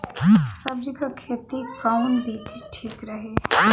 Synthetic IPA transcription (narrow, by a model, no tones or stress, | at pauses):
sɐbd͡ʒikakʰːeːt̪ikawnbʱit̪ʰiʈʰiːkɾɐɦe